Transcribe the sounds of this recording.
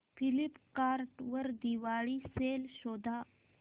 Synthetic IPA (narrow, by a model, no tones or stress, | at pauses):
fʰilipkaɾʈʋəɾd̪iʋaɭiselɕɔd̪ʱa